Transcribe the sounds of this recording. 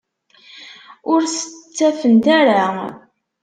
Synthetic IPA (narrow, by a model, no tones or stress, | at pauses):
ʊɾsə̥t͡sːæfənt̪æɾa